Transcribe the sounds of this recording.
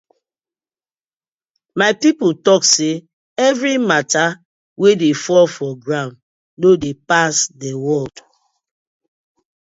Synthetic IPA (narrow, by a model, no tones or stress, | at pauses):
maɪpiputɔkse | ɛvɹimata | wedefɔlfɔɡɹãn | nodepasdɛwɔld̥